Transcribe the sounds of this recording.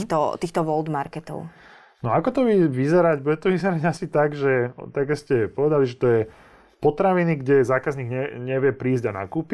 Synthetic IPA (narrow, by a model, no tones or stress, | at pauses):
t̪ɔ̰t̪iːxt̪ɔʋɔld̪maɾkɛt̪ɔ̰ʊ | nɔakɔt̪ɔʋiʋizɛɾaɟbuɟɛt̪ɔʋizɛɾaɟasit̪aɡʒɛt̪aɡɛscɛpɔʋɛd̪aliʒɛt̪ɔjɛ | pɔt̪ɾaʋiniɡɟɛzaːkazɲiːɡɲɛɲɛʋɪɛpɾiːzɟana̰kuːpi